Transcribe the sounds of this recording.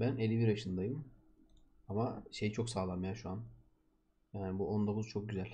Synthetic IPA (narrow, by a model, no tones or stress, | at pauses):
bænelʲːibiɾaʃɯnd̪ajɯm | amaʃe̞jit͡ʃʰo̞ksaːlˠamajaʃuan | jaːnɪbuʔo̞nd̪o̞kʰuzt͡ʃʰo̞k̚ɟyzælʲ